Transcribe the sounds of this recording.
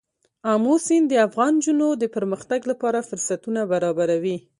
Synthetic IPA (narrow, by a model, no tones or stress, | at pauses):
ɑmosind̪əafɣɑnd͡ʒunod̪əpəɾməxt̪aɡlapɑɾafʊɾsat̪unabaɾɑbaɾawi